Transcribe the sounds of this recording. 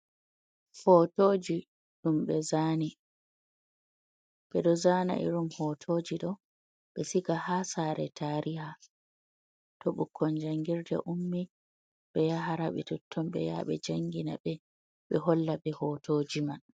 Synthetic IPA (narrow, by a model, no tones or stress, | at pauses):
hɔtoːd͡ʒi | ɗumɓɛzaːni | ɓɛɗɔzana̰ʔḭɾumhɔtʰoːd͡ʒiɗɔ | ɓɛsikahasaːɾɛ̰tʰaɾʔiha | tɔɓukʰːɔnd͡ʒaŋɡiɾdɛ̰ʔumːi | ɓɛjaɦaɾaɓɛtutʰːɔmɓɛ̰ja̰ɓɛ̰d͡ʒaŋɡina̰ɓɛ | ɓɛɦɔlːaɓɛhɔtoːd͡ʒiman